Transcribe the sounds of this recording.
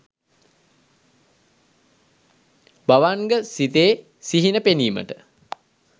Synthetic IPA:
baʋaŋɡəsit̪eː | siɦinəpeniːmə̰ʈə̰

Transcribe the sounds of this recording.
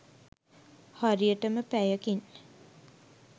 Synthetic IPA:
haɾijəʈəməpæjəkin

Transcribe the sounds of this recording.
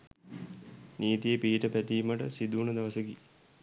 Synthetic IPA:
niːt̪ijepiːʈəpæt̪ijməʈə̰sid̪uːɳəd̪aʋɐsəki

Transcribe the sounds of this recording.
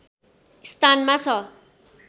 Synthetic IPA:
st̪ʰanmat͡sʰʌ

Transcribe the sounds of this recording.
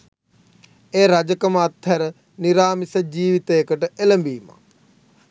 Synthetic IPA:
eːɾɐd͡ʒəkɐmɐt̪ʰːɐɾə | niɾaːmisɐd͡ʒiːʋit̪eːkəʈəeləmbiːma̰

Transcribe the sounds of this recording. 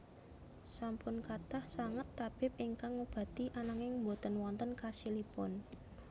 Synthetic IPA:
sampʊnkat̪ahsaŋət̪ːab̥ɪp̚iŋkaŋːub̥ä̤t̪iʔanaŋɪŋmbot̪ənwɔnt̪ənkasilipʊ̰n

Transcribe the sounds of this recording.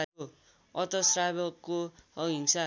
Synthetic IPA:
o | ʌt̪ʌsrabʌkːoɦiŋsa

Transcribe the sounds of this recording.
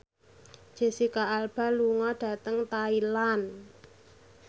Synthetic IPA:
ʒ̥e̤sikaalb̥a̤luŋɔɖ̥ä̤t̪əŋt̪ailan

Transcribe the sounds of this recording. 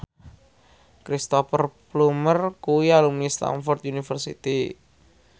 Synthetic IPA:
kɾist̪ɔfərplumərkuialumnist̪a̰nfɔrt̪̚junifərsḭt̪i

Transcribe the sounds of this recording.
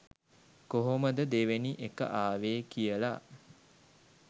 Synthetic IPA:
koɦoməd̪əd̪eʋeniʔekə̰ʔaːʋeːkijəla

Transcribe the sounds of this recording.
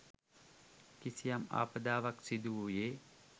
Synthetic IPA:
kisijama̰ːpəd̪aːʋɐksid̪uʋujeː

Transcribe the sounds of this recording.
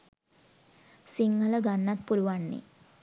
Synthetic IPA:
siŋːələɡanːat̪̚puluʋanːḭ

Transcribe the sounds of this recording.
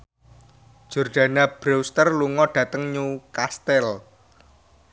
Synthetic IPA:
d̥ʒ̥o̤rɖ̥ä̤nab̥ɾowst̪ərluŋɔɖ̥ä̤t̪əŋɲukast̪ɛl

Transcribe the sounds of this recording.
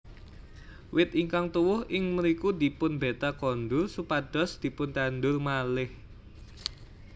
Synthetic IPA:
wɪt̪iŋkaŋt̪uwʊhɪŋməɾikud̪̥i̤pʊnbet̪akɔnd̪ʊrsupad̥ɔ̤sd̪̥i̤pʊnt̪and̪ʊrmalɪh

